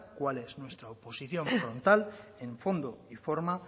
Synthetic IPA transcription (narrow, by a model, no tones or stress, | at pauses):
kwaleznwe̞st̪ɾaoposiθjõ̞ɱfɾõ̞nt̪alẽɱfo̞nd̪oifoɾma